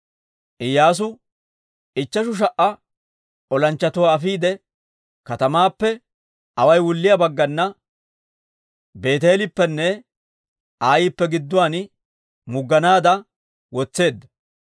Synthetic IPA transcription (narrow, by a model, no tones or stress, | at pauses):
ʔɪjːaːs̬ʊ | ɪt͡ʃːɐʃʊʃ̬ɐʔɐ | ɔlɐnt͡ʃːɐt̪ʊwaːfiːd̪ɛ | kɐt̪ɐmaːpːɛ | ɐwɐjwʊlːɪjɐbɐɡːɐnːɐ | be̞ːt̪̬eːlɪpːɛnːɛ | aːjɪpːɛɡɪd̪ːʊwaːn | mʊɡːɐnaːd̪ɐ | wɔt͡sːe̞ːd̪ːɐ